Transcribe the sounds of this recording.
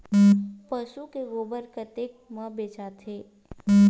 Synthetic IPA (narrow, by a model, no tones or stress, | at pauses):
pəʃukeɡoːbəɾkət̪eːk̚məbeːt͡ʃat̪ʰeː